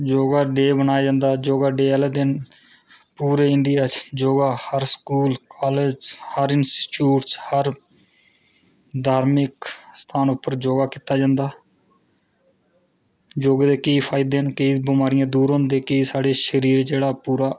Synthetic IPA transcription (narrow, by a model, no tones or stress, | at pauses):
d͡ʒoːɡaːɖeːbənaːjaːd͡ʒãːnd̪aːd͡ʒoːɡaːɖeːɛled̪ɪn | puːɾeːɪɳɖɪjaːt͡ʃd͡ʒoːɡaːhəɾskuːlkaːled͡ʒhəɾɪnsʈi̥ːʈuːʈshəɾ | d̪ʱaːɾmɪkst̪ʰaːnʊpːəɾd͡ʒoːɡaːkiːt̪aːd͡ʒãːnd̪aː | d͡ʒoːɡad̪eːkəiːpʰaːɪd̪eːnkəibɪmaːɾɪjãːd̪uːɾõːnd̪eːkəiːsaːɽeːʃəɾiːɾd͡ʒeːɽaːpuːɾaː